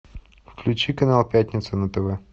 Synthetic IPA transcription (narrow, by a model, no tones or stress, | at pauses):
fklʲʉt͡ɕikɐnalˠpʲat̪ʲnʲɪt̪sʊnɐt̪ɛvɛ